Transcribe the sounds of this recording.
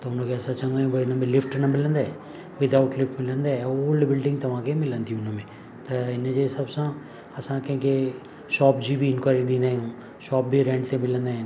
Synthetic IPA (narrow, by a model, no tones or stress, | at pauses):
t̪ɐʊnkʰeɐsãt͡ʃɐ̃ŋɡaːjũbɐɪnəmẽlɪfʈnɐmɪlə̃nd̪aɛ | ʋɪd̪aʊʈlɪfʈmɪlə̃nd̪aɛoːlɖbɪlɖɪ̃ŋɡt̪ɐʋ̤ãkʰemɪlə̃nd̪iũʊnmẽ | t̪ɐɪnd͡ʑesɐbsã | ɐsãkɐ̃ɦɪ̃ke | ʃɔːpd͡ʑibʱiɪnkwaːɾiɗĩːnd̪aːɦiũː | ʃɔːp̚bʱiɾẽːɳɖt̪ʰemɪlə̃nd̪aːɦɪ̃n